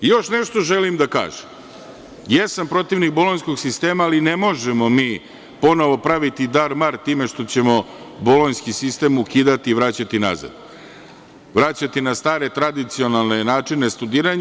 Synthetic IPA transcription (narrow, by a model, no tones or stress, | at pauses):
jo̞ʃneʃt̪o̞ʒelimd̪aka̰ːʒem | jesampɾo̞t̪iʋniɡbolˠonsko̞ɡsist̪e̞ːmaːline̞mo̞ʒemo̞miː | po̞no̞ʋo̞pɾaʋit̪id̪aɾmaɾt̪iːme̞ʂt̪o̞t͡ɕe̞mo̞ | bolonskisist̪e̞ːmukiːd̪at̪iːʋɾat͡ɕat̪ina̰za̰d̪ | ʋɾat͡ɕat̪inast̪aːɾe̞t̪ɾad̪it̪sio̞nalˠne̞naːt͡ʂine̞st̪ud̪iːɾaɲ